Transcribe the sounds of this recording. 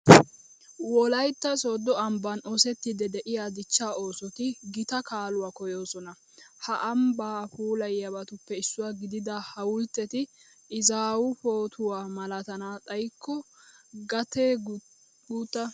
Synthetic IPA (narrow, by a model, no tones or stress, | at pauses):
wɔlɐjt̪ːɐsoːd̪ɔɐmbɐnɔsɛt̪ːɪd̪ɛd̪ɛʔɪjaːd̪ɪt͡ʃːaːo̞ːsɔt̪ɪɡɪt̪ɐkaːlʊwaːkɔjoːsɔnɐ | hɐʔɐmbaːpuːlɐjɐbɐt̪ʊpːɛɪsːʊwaːɡɪd̪ɪd̪ɐhɐwʊlt̪ːɛt̪ɪ | ʔɪzaːwʊpo̞ːt̪ʰʊwaːmɐlɐt̪ɐnaːtʼɐjkʰːɔɡɐt̪eː | ɡuːt̪ːɐ